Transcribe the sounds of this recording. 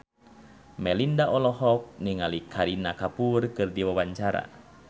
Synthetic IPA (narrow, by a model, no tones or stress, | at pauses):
mɛlindaʔɔlɔɦɔk̚niŋalikʰaɾinakapurkɨrdiwawaɲt͡ʃaɾa̰